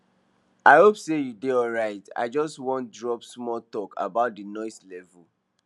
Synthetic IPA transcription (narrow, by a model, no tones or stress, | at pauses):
ʔaɪhopsejudeɔɹaɪta̰ɪd͡ʒɔstwɔ̃ntdɹɔpsmɔtɔkʰa̰baʊt̚dinɔɪslɛvul